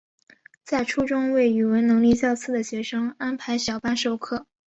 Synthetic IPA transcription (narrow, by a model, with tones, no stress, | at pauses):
t͡sa˥˩ɪʈ͡ʂʰu˥ʈ͡ʂʊ˥ŋwe˥˩ɪy˨˩wə˧˥nnɤ˧˥ŋli˥˧ɕjɑ˥˧ʊt͡sʰɹ̩˥˩d̪ə˩ɕɥɛ˧˥ʂɤ˥ŋa˥npʰa˧˥ɪɕjɑ˨˩ʊpa˥nʂo˥˧ʊkʰɤ˥˩